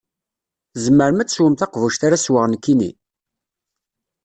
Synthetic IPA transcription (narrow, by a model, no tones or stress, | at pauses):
zəmːəɾmæt͡sːswəmθɑqvuʃt̪aɾaswəʁnkːinḭ